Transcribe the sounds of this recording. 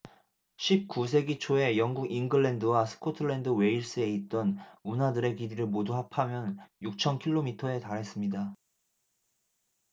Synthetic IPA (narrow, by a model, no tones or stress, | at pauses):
ɕʰip̚k͈us̬ʰe̞ɡit͡ɕʰoe̞jʌŋɡuɡinɡɯɭːendɯwasʰɯ̥kʰotʰɯɭːe̞ndɯwe̞iɭs͈ɯe̞it̚t͈ʌnunadɯɾe̞kiɾiɾɯɭmoduɦapʰamjʌnjuk̚t͡ɕʰʌnkʰiɭːomitʰʌe̞taɾɦe̞s͈ɯmɲida